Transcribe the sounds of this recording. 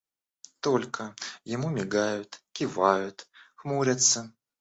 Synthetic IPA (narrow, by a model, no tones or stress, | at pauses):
t̪ɔlʲkɐjamumʲiɡajʊt̪kʲivajʊt̪xmuɾʲɐt̪sːɐ